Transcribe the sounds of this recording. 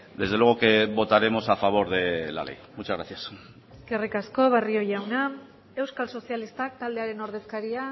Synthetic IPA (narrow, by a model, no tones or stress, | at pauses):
d̪e̞zð̞elwe̞ɣoke̞βo̞t̪aɾe̞mo̞safaβ̞o̞ɾðe̞la̰le̞̰jmut͡ʃazɣɾaθjas | eskerikasko̞β̞ario̞jawna | e̞wskalso̞sialist̪ak̚t̪ald̪eaɾe̞no̞ɾð̞e̞skaɾia